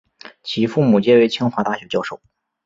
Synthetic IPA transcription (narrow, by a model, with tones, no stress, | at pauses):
t͡ɕʰi˧˥fu˥˩mu˨˩t͡ɕjɛ˥we˥˩ɪt͡ɕʰi˥ŋxwa˨˧˥t̪a˥˩ɕɥɛ˧˥t͡ɕjɑ˥˧ʊʂo˥˩ʊ